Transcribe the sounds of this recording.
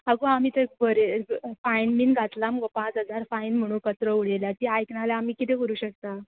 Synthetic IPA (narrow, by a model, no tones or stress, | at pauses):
aɡoamiːt̪ək̚bəɾefainmiːnɡʱat̪lamɡopãt͡sɦəd͡zaɾfainm̤əɽ̃ũːkət̪ɾəuɽeljat̪iajknaljaːmiːkit̪ẽkəɾuːɕək̚t̪a